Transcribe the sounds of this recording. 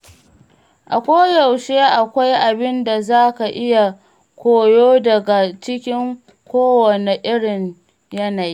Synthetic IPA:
ʔa̰˨kʷoː˦jɐ˨wʃeː˦ʔa˨kʷa˦jʔa˨bɪ˦nda˨zaː˦ka˨ʔɪ˦ja˨ | kʷoː˨joː˦dɐ˨ɡa˨t͡ʃɪ˦kʲɪ˦ŋ | kʷoː˦wwɐ˨ne˨ʔɪ˦ɽɪ˨ɲ | jɐ˦na˨jiː˦

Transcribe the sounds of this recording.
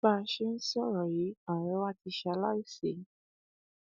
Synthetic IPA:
a˧ʃe˦n̩˦sɔ˦˨ɾɔ˨ji˨˦a˨ɾ̃ɛ˨˦wa˦ti˧ʃa˧˦la˦i˦se˨˦

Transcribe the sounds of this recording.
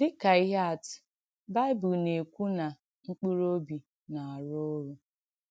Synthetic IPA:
dɪ˦ka˨i˦ɦa˦˨t | ba˦ɪ˦bʊ˨lne˨kʷu˦na˨ | ŋ͡m̩˦k͡pi˦ɾo˦bi˨ | na˨a˨ɾo˦ɾu˨

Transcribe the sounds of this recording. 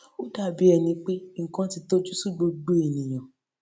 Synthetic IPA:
o˦da˦˨bi˨˦ɛ˨nĩ˧˦k͡pe˦ŋ̩˨kã˦ti˧to˦d͡ʒu˦su˦˨ɡ͡bo˧ɡ͡bo˦e˨nĩ˨j̃ã˨

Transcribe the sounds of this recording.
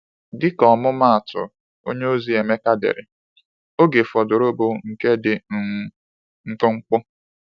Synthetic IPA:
dɪ˦kɔ˨mʊ˦ma˦a˨tʊ̰˨ | o̰˦ɲe˦o˦zi˦e˨me˦ka˦dḛ˨ɾɪ̰˨ | o˦ɡe˨fɔ˨dʊ˨ɾo˦bo˦ŋ̩˨ke˦dɪ˨n̩˨˦ | ŋ̩˦k͡pʊ˦ŋ͡m̩˦k͡pʊ˦

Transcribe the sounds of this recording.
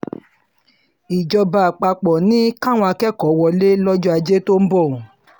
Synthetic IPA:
i˨d͡ʒɔ˧ba˧˨a˨k͡pa˧k͡pɔ˨nĩ˦ka˦˨w̃ɔ̃˧a˧kɛ˦˨kɔ˨˦wɔ˧le˦lɔ˦d͡ʒɔ˦a˧d͡ʒe˦to˦m̩˦bɔ˦˨

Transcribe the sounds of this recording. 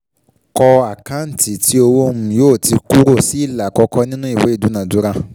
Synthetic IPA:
kɔ˧a˨kã˦n̩˨ti˨ti˦o˧wo˦mũ˦˧˨joː˦˨ti˧ku˦ɾo˦˨si˨˦i˦˨la˨kɔ˧kɔ˧˦nĩ˦nũ˦i˦˨we˨˦i˦˨du˨˦nã˨du˨˦ɾã˧

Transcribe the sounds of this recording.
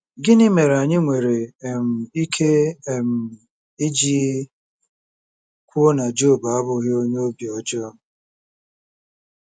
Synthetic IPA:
ɡɪ˦nɪ˦me˨ɾa˨ɲɪ˦ŋʷe˨ɾe˨m̩˨i˦kʰe˦e˨m̩˨ | ɪ˦d͡ʒi˦ | kʷo˦na˨d͡ʒo˦˨ba˦bʊ˨ɣɪ˦o˦ɲe˦o˦bi˨ɔ˨d͡ʒɔ˦

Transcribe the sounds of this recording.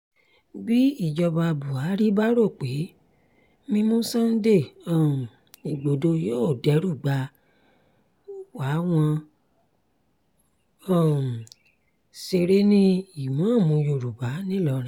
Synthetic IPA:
bi˦i˦˨d͡ʒɔ˧ba˧bu˨a˨˦ɾi˦ba˦ɾo˦˨k͡pe˨˦ | mĩ˧mũ˦sã˦n̩˦de˦˨ɔ˨ | i˨ɡ͡bo˨do˧joː˦˨dɛ˨˦ɾu˦˨ɡ͡ba˧˦ | wa˨˦w̃ɔ̃˧ | ɔ˦˨ | se˧ɾe˦nĩ˦i˨mã˨˦˨mũ˧jo˨ɾu˨ba˨˦nĩ˦lɔ˧˦ɾĩ˨˦

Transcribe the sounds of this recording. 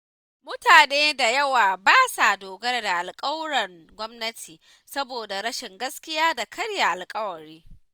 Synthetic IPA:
mʊ˦taː˨neː˦da˨jɐ˦waː˨baː˦sa˨doː˨ɡɐ˦rda˨ʔa˨lkʼɐ˦wɽɐ˨rɡʷɔ˦mnɐ˦tʰiː˨ | sɐ˦boː˨da˨ɽɐ˦ʃɪ˨ŋɡɐ˦skʲɪ˦jaː˦da˨kʰɐ˦ɽja˨ʔa˨lkʼɐ˦wɐ˨ɾiː˦

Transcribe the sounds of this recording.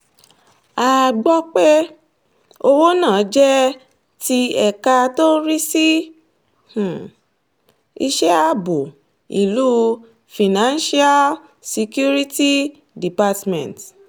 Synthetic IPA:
a˨ɡ͡bɔ˧k͡pɛ˦ | o˧wo˦nãː˦˨˦d͡ʒɛ˦ | ti˧ɛ˧˨ka˧to˦ɾi˦si˦ | h̩˨ | i˧ʃɛ˦a˦bo˨ | ḭ˨lu˦ | fi˨nã˦nʃi˦a˦l | si˧kju˦ɾi˦ti˦ | di˨pa˧tmɛ̰̃˨t

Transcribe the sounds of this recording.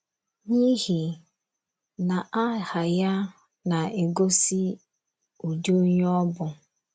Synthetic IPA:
ɲi˦ɦi˨ | na˨ʔa˦ha˨ja˦ | na˨e˨ɡo˦si˦ | o˨d͡ʒo˦ɲ˦ɔ˦bʊ˨

